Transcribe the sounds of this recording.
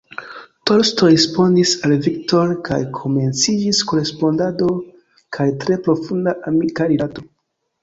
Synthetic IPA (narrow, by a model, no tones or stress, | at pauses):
to̞ɾstoɾespo̞ndisalvikto̞ɾkʰajkʰo̞me̞nt͡sid͡ʒisko̞ɾe̞spo̞ndado̞ | kʰajtɾe̞pɾo̞fundaʔamikaɾidato̞